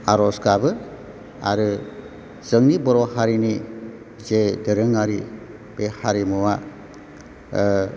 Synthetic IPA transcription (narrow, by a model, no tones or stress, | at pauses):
aɾɔskabɯ | a̰ɾɯ | z̥əŋnibɔɾɔhaɾini | zedɯɾɯŋaɾi | b̥ehaɾimuwa